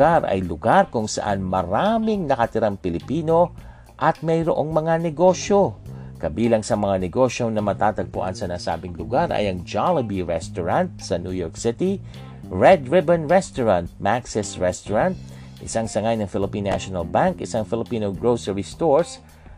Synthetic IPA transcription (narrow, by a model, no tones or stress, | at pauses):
aɾʔɐ̰jlʊɡaɾkʊŋsɐ̰ʔanmɐɾaːmɪŋnɐkɐt̪ɪɾaŋpɪlɪpiːno̞ | ʔɐt̪̚mɐjɾoʔoŋmɐŋanɛɡo̞ːʃo̞kɐbiːlɐŋsɐmɐŋanɛɡo̞ʃjo̞nɐmɐt̪aːt̪ɐɡ̚pʊ̰ʔa̰nsɐnasa̰ːbɪŋlʊɡaɾɐ̰jɐŋd͡ʒalɐbiɹɛst̪ʊɹant̪̚sɐnjujoɹk̚sɪt̪i | ɹɛd̪ɹɪbɛnɹɛst̪oɹãnt̪̚maksɛsɹɛst̪ʊɹant̪̚ | ʔɪ̰saŋsɐŋajnɐŋfɪlɪpinːa̰ʃonɐlbaŋkʔɪsaŋfɪlɪpiːnoɡɹowsɛɹist̪oɹs